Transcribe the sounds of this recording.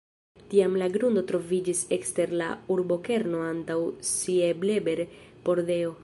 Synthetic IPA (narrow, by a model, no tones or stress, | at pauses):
tiamlaɡɾundo̞tɾo̞vid͡ʒisekste̞ɾla̰uɾbo̞ke̞ɾno̞antawsieble̞be̞ɾpo̞ɾde̞o̞